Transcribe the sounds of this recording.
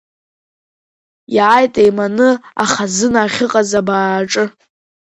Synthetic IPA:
jʕajtʼejmanɨaχazɨnaχʲɪqʼazabaːʈ͡ʂʼɨ

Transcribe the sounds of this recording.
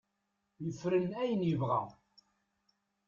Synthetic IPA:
jəfɾənæjənjəvʁæ̰

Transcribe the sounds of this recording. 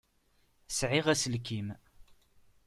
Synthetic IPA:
sʕɪʁæsəlkim

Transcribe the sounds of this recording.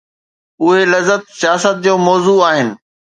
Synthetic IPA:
ʊɦelɐzət̪̚sijaːsət̪̚d͡ʑoːmɔːzuaːɦɪnɪ̆

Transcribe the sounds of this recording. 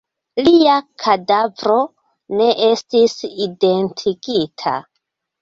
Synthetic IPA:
liakʰadavɾo̞ | ne̞ʔe̞stiside̞ntʰiɡitʰa̰

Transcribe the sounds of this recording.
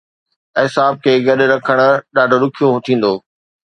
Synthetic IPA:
ɪsaːb̚kʰeːɡɐɗɾɐkʰəɽ̃̆ɗaːɖʱoɾʊkʰijot̪ʰĩːn̆d̪oː

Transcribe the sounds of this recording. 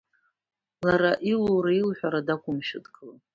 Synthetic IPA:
laɾaʔiloɾailħʷᶣaɾadakʷʰʼʊmʃɪtkʼla

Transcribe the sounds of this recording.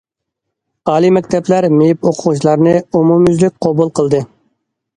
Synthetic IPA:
ɑːlˠimɛkʲt̪ʰɛplæɾmejipoqʰʊʁut͡ʃlˠɑɾnɨumumyzlyk̚ʲqʰɑbulˠqəlˠd̪ɨ

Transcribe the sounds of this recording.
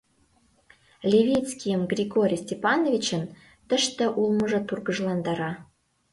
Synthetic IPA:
lʲevʲit͡skʲijəmɡrʲiɡoɾʲijsʲtʲepɑnovʲit͡ɕə̆n | t̪ə̆ʃt̪ə̆ʔulˠmə̆ʒɤ̆purɡəʒlˠɑnd̪ɑɾɑ

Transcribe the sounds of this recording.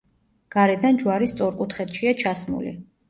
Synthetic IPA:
ɡ̥aɾɛd̪and͡ʒwaɾist̪sʼɔɾkʼut̪χɛt̪ʃiat͡ʃʰasmṵlḭ

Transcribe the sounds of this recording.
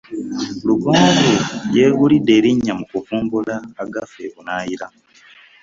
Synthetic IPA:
luɡoːŋɡeje̞ːɣulide̞ɾiɲːamukufuːmɡulaːɡafeβunaːjiɾa

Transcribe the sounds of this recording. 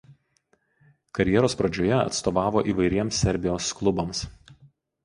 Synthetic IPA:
kɐɾʲjɛɾoːspɾɐd͡ʒʲoːjɛɐ̰t̪st̪oːʋɑːʋoːʔiːʋɐɪɾʲiɛmsʲːɛɾʲbʲɪjoːsklˠʊbɐms

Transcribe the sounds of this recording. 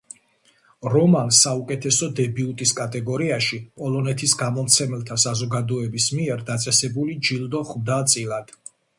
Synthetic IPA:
ɾɔmansːaukʼɛt̪ʰɛsɔd̪ɛbiut̪ʼiskʼat̪ʼɛɡɔɾiaʃipʼɔlˠɔnɛt̪ʰisɡamɔmt̪sʰɛmɛlˠt̪ʰasazɔɡad̪ɔɛbismiɛɾd̪at̪sʼɛsɛbulid͡ʒild̪ɔχmd̪at̪sʼilad̪̥

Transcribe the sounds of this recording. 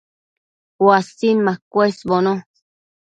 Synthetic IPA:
wasinmãkʷesbonõ

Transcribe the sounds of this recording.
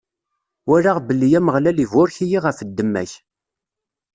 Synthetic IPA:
wæɾaʁbəlːijæməʁlælivʊɾçijiʁəfəd̪ːəmːæ̰ç

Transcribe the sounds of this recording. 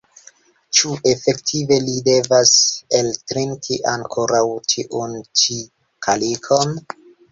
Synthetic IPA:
t͡ʃuʔe̞fe̞ktʰive̞lide̞vase̞ltɾintʰiʔaŋkʰo̞ɾawtʰiʔunt͡ʃi | kʰalikʰon

